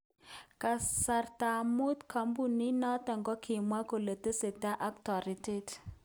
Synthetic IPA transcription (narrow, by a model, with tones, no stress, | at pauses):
ka˨sa˨rta˨mu˦t̪kʰa˨mbu˦˨ni˦nɔ˦tɛ˨ŋɡɔ˦kʰi˨mwa˦ko˨lə˨tə˦se˨ta˦ʔa˦k̚tɔ˨ɾi˨te˦t